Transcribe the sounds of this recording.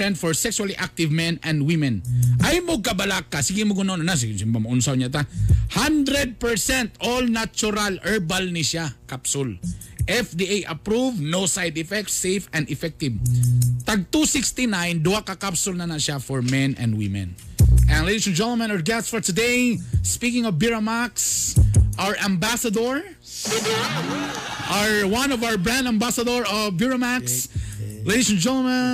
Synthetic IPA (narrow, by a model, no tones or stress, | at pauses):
ɛ̃nt̪fɔɹsɛkswaliʔak̚t̪ɪvmɛ̃nɐ̃nd̪wɪmɛ̃nʔɐjmoɡ̚kɐbɐlakːasiɡɪmoɡʊnononas̬iɡsɪmbamɐʔʊnsawɲat̪̬ahãnd̪ɾɛd̪̚pɛɹsɛ̃nt̪olnat͡ʃʊɾalɛɹbalnɪʃakapsʊl | ʔɛfd̪iʔajʔɐpɾuvnosajd̪ɪfɛk̚t̪sejfɛnd̪ɪfɛk̚t̪ɪb̚t̪aɡ̚t̪usikst̪inãjnd̪uwakɐkapsʊlnɐnaʃafɔɹmɛ̃nɛ̰̃nd̪wɪ̰mɛ̰̃nʔɛ̃nled̪isɛnd͡ʒɛ̃nt̪lmãnɔɹɡɛstfɔɹt̪ʊd̪espikɪ̃ŋɔvbɪɹomaksʔaɹʔɐ̃mbasɐd̪ɔɹ | ʔaɹwʌ̃nɔvawəbɹãnd̪ɐ̃mbasɐd̪ɔɹɔbjuɹomaksled̪isɛnd͡ʒɛ̃t̪lmã